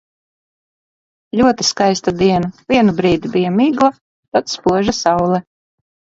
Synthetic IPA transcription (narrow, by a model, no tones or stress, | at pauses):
lʲuɔt̪iskajst̪ad̪iɛnavʲiɛnubɾiːd̪ibijamiːɡlˠa | t̪at̪spuɔʒasɑwlˠɛ